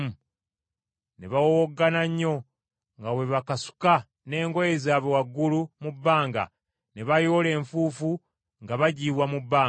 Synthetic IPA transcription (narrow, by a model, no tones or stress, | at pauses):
neβawowoɡːanaɲːo̞ | ŋɡawe̞βakasu̥ka | ne̞ːŋɡojezaːβowaɡːulumubːaːŋɡa̰ | neβajo̞ːle̞ːɱfuːfu | ŋɡaβaɟiːβwamubːaː